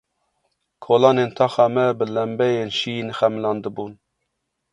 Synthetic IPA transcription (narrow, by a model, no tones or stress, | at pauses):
kʰoːlɑːnent̪ʰɑːxɑmɛbɨlɛmbɛjenʃiːnxɛmlɑːnd̪ɨbuːn